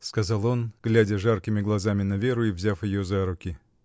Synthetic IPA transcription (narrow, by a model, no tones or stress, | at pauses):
skɐzɑlˠo̞nɡ̥lʲædʲəʐarkʲɪmʲɪɡlˠɐzamʲɪnɐvʲe̞ɾʊivzʲafjɪjozaɾʊkʲɪ